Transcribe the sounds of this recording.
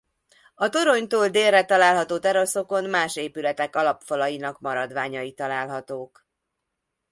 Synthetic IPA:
ɒt̪o̞ɾo̞ɲt̪oːld̪eːrːɛt̪ɒlaːlɦɒt̪oːt̪ɛɾo̞so̞ko̞nmaːʃeːpylɛt̪ɛkɒlɒpfɒlɒjinɒkmɒɾɒd̪ʋaːɲɒjit̪ɒlaːlɦɒt̪oːk

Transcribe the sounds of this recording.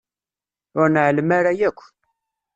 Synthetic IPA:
ʊɾnəʕlmaɾajækʷːən

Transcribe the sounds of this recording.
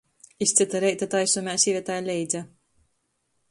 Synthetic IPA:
ist̪sit̪aɾɛjt̪at̪ajsumʲæːsʲivʲɛt̪ajlʲɛjd̪zʲa

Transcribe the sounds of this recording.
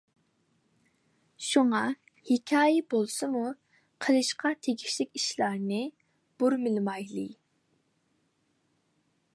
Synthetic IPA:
ʃuŋɑ | hɪkʲʰɑːjɛbolˠsɨmu | qʰəlˠɨʃqʰɑt̪ʰeɡʲiʃlɪkʲiʃlɑɾnɨ | b̥uɾmɪlmɑjlˠɨ̰

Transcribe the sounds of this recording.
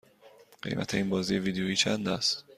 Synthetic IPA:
ɢ̥e̞̰jmæ̰t̪ʰeiːnbɒːziːjeviːd̪eoiːt͡ʃʰænd̪æst̪

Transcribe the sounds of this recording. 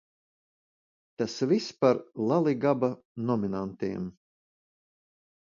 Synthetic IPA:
t̪asvispaɾlˠalˠiɡaba | nɔminant̪iɛm

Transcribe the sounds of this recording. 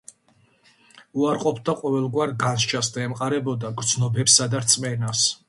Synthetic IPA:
uaɾqʼɔpʰd̪aqʼɔvɛlˠɡwaɾɡanʃt͡ʃʰasd̪aɛmqʼaɾɛbɔd̪aɡɾd̪znɔbɛpsad̪aɾt̪sʼmɛnas

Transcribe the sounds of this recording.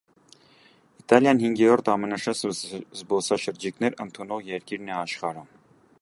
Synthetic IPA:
it̪ɑljɑnhiŋɡjɛɾɔɾt̪ɑmənɑʃɑszbɔsɑʃəɾd͡ʒiknɛɾənt̪ʰunɔʁjɛɾkiɾnɛɑʃχɑɾə

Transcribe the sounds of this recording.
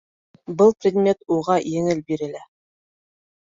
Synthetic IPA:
bɤlˠprʲɪd̪mʲe̞t̪uʁɑjɘ̆ŋɘlbiɾɘ̆læ

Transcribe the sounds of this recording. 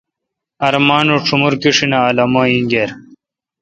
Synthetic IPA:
ɐɾmaːnuʈ͡ʂʰumuɾkiʂinaːlɐmaːĩŋɡeːɾ

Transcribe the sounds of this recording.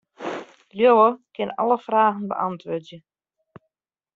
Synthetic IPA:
ljowəkɪnɔ̰ləfraːɣən̩bə̰ʔɑntʋødjə

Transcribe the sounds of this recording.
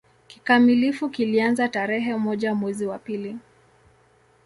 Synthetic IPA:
kikamilifukilianzataɾɛɦɛmɔʄamwɛziwapili

